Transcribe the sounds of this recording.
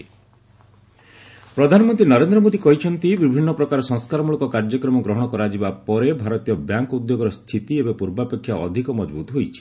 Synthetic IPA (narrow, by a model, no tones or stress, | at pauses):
pɾɔd̪ʱanɔmɔ̃nt̪ɾinɔɾend̪ɾɔmod̪ikɔɦit͡ʃʰɔnt̪ibibʱinːɔpɾɔkaɾɔsɔ̃ŋskaɾɔmuɭɔkɔkaɾd͡ʒɔkɾɔmɔɡɾɔɦɔɽ̃ɔkɔɾad͡ʒibapɔɾebʱaɾɔt̪ijɔbjaŋkud̪joɡɔɾɔst̪ʰit̪iebepuɾbapekʰːjaʔɔ̰d̪ʱikɔmɔd͡ʒbut̪ɔɦojt͡ʃʰi̥